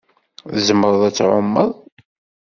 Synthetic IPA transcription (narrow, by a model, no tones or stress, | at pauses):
əzəmːəɾˤðˤæt͡sːʕomːə̰ðˤ